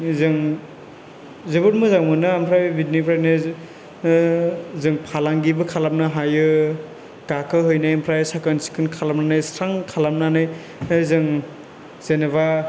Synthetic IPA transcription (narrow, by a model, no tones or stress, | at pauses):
zɯŋ | zebɯtmuzaŋmɯnɯampʰɾajbitnipʰɾajnɯ | zɯŋpʰalaŋɡibɯkʰalap̚nɯɦajɯ | kakʰɯɦɯjnajampʰɾajsakɯnsi̥kʰɯnkʰalap̚nanajstʰaŋkʰalam̚nanɯj | zɯŋ | z̥eneβa